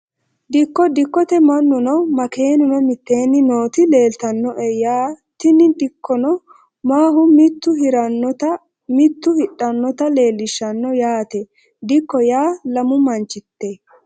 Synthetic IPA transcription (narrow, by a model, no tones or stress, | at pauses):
d̪ɪkːɔd̪ɪkːɔt̪ɛmɐnːʊnɔmɐke̞ːnʊnɔmɪt̪ːe̞ːnːɪno̞ːt̪ɪle̞ːlt̪ɐnːɔʔɛjaːt̪ɪnɪd̪ɪkʰːɔnɔ | maːɦʊmɪt̪ːʊɦɪɾɐnːɔt̪ɐ | mɪt̪ːʊhɪɗːɐnːɔt̪ɐle̞ːlːɪʃːɐnːɔjaːt̪ɛ | d̪ɪkːɔjaːlɐmʊmɐnt͡ʃːɪt̪ːe